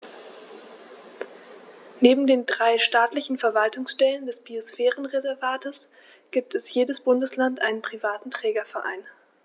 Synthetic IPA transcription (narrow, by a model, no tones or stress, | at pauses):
neːbm̩deːndʁaɪʃtaːtlɪçn̩fɛɐvaltʊŋsʃtɛləndɛsb̥iosfɛːʁənʁezɛɐvaːtəs | ɡ̥iːp̚tʰɛsjeːdəsb̥ʊndəslantʔaɪnənpʁ̥ivaːtn̩tʁ̥ɛːɡɐfɛɐʔa̰ɪn